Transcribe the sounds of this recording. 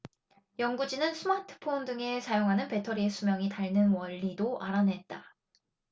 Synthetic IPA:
jʌŋɡud͡ʑinɯnsʰɯmatʰɯ̥pʰondɯŋe̞sajoŋɦanɯnpe̞tʰʌɾiesʰumjʌŋitaɭnɯnwʌʎːidoʔaɾanɦe̞t̚t͈a

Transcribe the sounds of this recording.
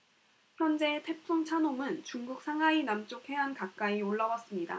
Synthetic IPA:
çjʌnd͡ʑe̞tʰe̞pʰuŋt͡ɕʰanomɯnt͡ɕuŋɡuk̚s͈ʰaŋɦainamt͡ɕ͈okʰe̞ɦankak̚k͈aioɭːawas͈ɯmɲida̰

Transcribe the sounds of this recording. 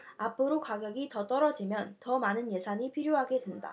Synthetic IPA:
apʰoɾokwaɡjʌɡitʌt͈ʌɾʌd͡ʑimjʌntʌmanɯnje̞sʰaɲipʰiɾjoɦaɡe̞dwenda̰

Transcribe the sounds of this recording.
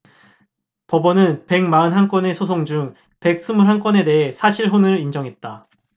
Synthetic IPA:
pʌbʌnɯnpe̞ŋmaɯnɦank͈wʌne̞sʰosʰoŋd͡ʑuŋ | pe̞k̚s͈umuɭɦank͈wʌne̞de̞ɦe̞sʰaɕʰiɭɦonɯɾind͡ʑʌŋɦe̞t̚t͈a

